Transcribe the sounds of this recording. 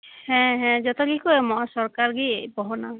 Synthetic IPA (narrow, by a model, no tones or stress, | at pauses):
hɛ̃ɦɛ̃d͡ʒɔt̪ɔɡikɔemɔasɔɾkaɾɡipɔɦɔna